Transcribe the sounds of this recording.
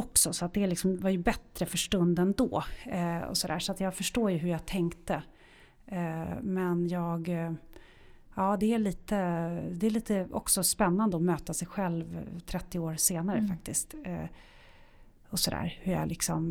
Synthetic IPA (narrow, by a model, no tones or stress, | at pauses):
ɔksɔsɔat̪̚d̪ɛːɭɪksɔmvaɾjɵbɛt̪ɾəfœʂʈɵnd̪ɛnd̪ɔ̰ː | ɔ̰sɔd̪æ̰ːʂɔat̪jɑːɡfœʂʈoːɾjɵɦɵɾjɑːɡ̚t̪ʰɛŋkt̪ə | mɛnjɑːɡ | ɑːd̪ɛæɭiːt̪əd̪ɛæɭiːt̪əɔ̰ksɔspɛnːand̪əɔmøːt̪asɛjɧɛlvt̪ʰɾɛt̪ːɪoːɾseːnaɾəfak̚t̪ɪskt̪ː | ɔsɔd̪æ̰ːɾhɵja̰lɪksɔm